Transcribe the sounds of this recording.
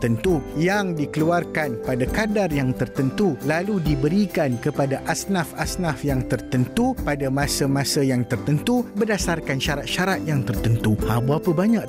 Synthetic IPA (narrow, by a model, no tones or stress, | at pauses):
t̪ənt̪ujaŋdikəluarkanpadakadarjaŋt̪ərt̪ənt̪ulaludibəɾikankəpadaʔasnafasnafjaŋt̪ərt̪ənt̪upadamãsamãsajaŋt̪ərt̪ənt̪ubərdasarkanʃaɾat̪̚ʃaɾat̪̚jaŋt̪ərt̪ənt̪uabuapəbaɲãk